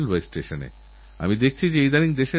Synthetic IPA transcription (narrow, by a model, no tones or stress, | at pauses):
lbojsʈeʃonḛ | a̰mid̪ek̚ʰt͡ɕʰid͡ʑeejd̪aɾiŋd̪eʃe